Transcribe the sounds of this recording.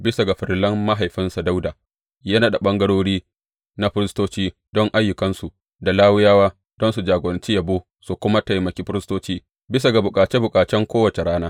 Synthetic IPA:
bɪ˦sa˨ɡa˨ɸɪ˨ɾlɐ˦mːa˦ɦa˨jɸɪ˦nsa˨da˦wdaː˨ | jɐ˦naː˦ɗa˨ɓɐ˦ŋɡɐ˦ɽoː˦ɽiː˦ | na˦ɸɪ˦ɾɪ˦stoː˦t͡ʃiː˦ | d̥ɔ˦ŋʔa˦jːʊ˨kɐ˦nsu˨ | da˨laː˦wʊ˦jaː˦waː˦ | d̥ɔ˦nsu˨d͡ʒaː˨ɡɐ˨nt͡ʃi˦jɐ˨boː˦ | su˨kʷʊ˦ma˦tɐ˨jmɐ˨kʲi˦ɸɪ˦ɾɪ˦stoː˦t͡ʃiː˦ | bɪ˦s̬a˨ɡa˨bʊ˨kʼaː˨t͡ʃe˦bʊ˨kʼaː˨t͡ʃɛ˦ŋkʷoː˦wɐ˨t͡ʃe˨ɽaː˦naː˦

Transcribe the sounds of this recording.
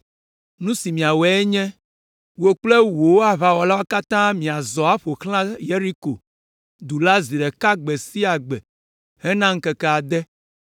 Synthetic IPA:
nũ˦si˨mĩ˨a˨wɛ˨˦ɛ˦ɲɛ̃˦ | wo˨k͡ple˦wo˨wo˦a˨βa˨wɔ˨la˦wa˦ka˦t̪ã˦mĩ˨a˨zɔ˨a˦ɸo˨xlã˦je˦ɾi˦ko˨ | d̪u˨la˦zi˨ɖɛ˨ka˦ɡ͡bɛ˨si˦a˨ɡ͡bɛ˨ | hɛ˦nã˦ŋ̩˦kɛ˦kɛ˦a˨d̪ɛ˦

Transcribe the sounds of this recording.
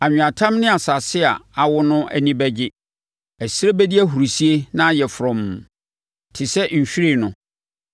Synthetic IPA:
a˨ɲ̃ᶣ˨a˨tʰã˦mnɪ̃˦a˨sa˨sɪ˦a˨a˨wʊ˦nʊ̃˦ʔæ̰˨nĩ˦bæ˦d͡ʑɪ˦ | æ˨sɪ˦ɾe˦bæ˦di˦æ˦ɦu˨ɾi˨si˦e˦nã˦jɛ˨fʊ˨ɾɔ̃˨m˨ | tʰɪ˨sɛ˦ɲ̩˨ɕᶣi˦ɾi˦˨nʊ̃˨

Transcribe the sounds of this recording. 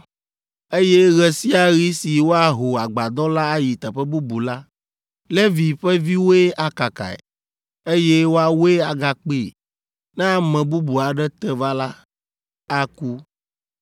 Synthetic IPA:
e˦jɛ˦ɣɛ˨si˦a˨ɣi˦si˨wo˦a˦ɦo˨a˨ɡ͡ba˨d̪ɔ˦la˦a˦ji˨t̪ɛ˨ɸɛ˦bu˦bu˨la˦ | lɛ˦vi˨ɸɛ˦vi˦wo˦e˦a˨ka˨ka̰˨ɛ̰˨ | e˦je˦wo˦a˨wo˦e˦a˨ɡa˨k͡pi˦˨ | nɛ˦a˦mɛ̃˨bu˦bu˨a˨ɖɛ˦t̪ɛ˦va˦la˦ | a˦ku˦

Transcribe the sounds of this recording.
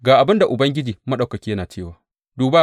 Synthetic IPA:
ɡaː˨ʔa˨bɪ˦nda˨ʔʊ˨bɐ˦ŋɡʲɪ˦d͡ʒiː˨mɐ˦ɗa˨wkɐ˨kʲiː˦jɐ˦naː˨t͡ʃeː˦˨waː˨ | duː˨ba˦

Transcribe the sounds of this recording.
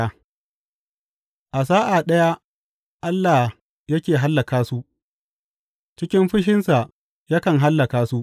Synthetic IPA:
a˦ | ʔa˨s̬aː˦ʔa˨ɗɐ˦ja˦ | ʔa˦lːaː˨ | jɐ˦kʲeː˨ɦa˦lːɐ˨kaː˦su˦ʔ | t͡ʃɪ˦kʲɪ˦mɸɪ˦ʃ̬ɪ˦nsa˨ | ja˦kɐ˨ŋɦa˦lːɐ˨kaː˦su˦ʔ

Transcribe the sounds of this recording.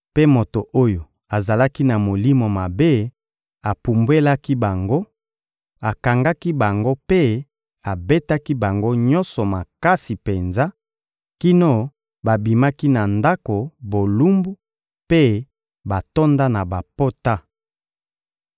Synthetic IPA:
pe˦mo˨to˨ʔo˦jo˨ | a˨za˨la˦ki˦na˨mo˨li˦mo˨ma˨be˦ | a˨pu˨mbwe˦la˦ki˦ba˨ŋɡo˦ | a˨ka˨ŋɡa˦ki˦ba˨ŋɡo˦pe˦ | a˨be˦ta˦ki˦ba˨ŋɡo˦ɲɔ̃˦nsɔ˨ma˨ka˦si˨pe˨nza˦ | ki˦no˦˨ | ba˨bi˨ma˦ki˦na˨nda˦ko˨bo˨lu˦mbu˦ | pe˦ | ba˨to˦nda˦na˨ba˨po˦ta˦

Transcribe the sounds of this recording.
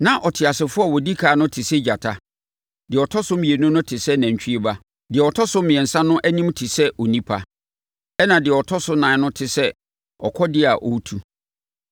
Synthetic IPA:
nã˨ʔɔ˨tʰɪ˨a˨sɪ˨fʊ˦a˦˨wɔ˨di˦kʰaː˨˦nʊ̃˦tʰɪ˨sɛ˦d͡ʑa˨tʰa˦ | dɪ˨ɔ˨tʰɔ˦sʊ˦mĩ˨e˨nʊ̃˦nʊ̃˦tʰɪ˨sɛ˦næ̃˨ɲ˨t͡ɕʰᶣi˦e˦ba˦ | dɪ˨ɛ˨ɔ˨tʰɔ˦sʊ˦mɪ̃˨ɛ̃˨n̩˨sã˦nʊ̃˦ʔæ˦nĩ˦mtʰɪ˨sɛ˦ʔɔ˨nĩ˦pʰa˦ | ɛ˦nã˨dɪ˨ɛ˨ɔ˨tʰɔ˦sʊ˦nãː˨nʊ̃˦tʰɪ˨sɛ˦ | ɔ̰˨kʰɔ˦dɪ˦a˨ʔɔ̰˨˦tʰu˨

